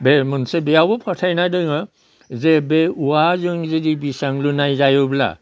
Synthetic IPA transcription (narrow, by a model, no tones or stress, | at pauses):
bemɯnsebejabɔpʰatʰajnadɯŋɯ | zebeuwazɯŋzɯdibisaŋlunajzajobla̰